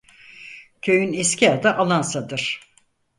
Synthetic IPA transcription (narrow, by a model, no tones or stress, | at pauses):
cʰøjynescʰiad̪aʔalˠansad̪ɯɾ̥